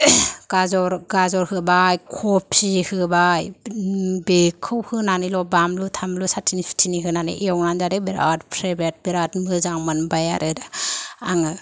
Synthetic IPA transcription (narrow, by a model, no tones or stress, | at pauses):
ɡ̥azɔɾɡazɔɾhɯbajkʰɔpʰsihɯbaj | bekʰːɯwhɯnanilɔbamlutʰamlusatʰinipʰi̥tʰiniɦɯnanɯ̰ʔiawnanzaɾɯbiɾa̰tpʰɾajbet̚beɾatmɯzaŋmɯnbajaɾɯɾɯaŋɯ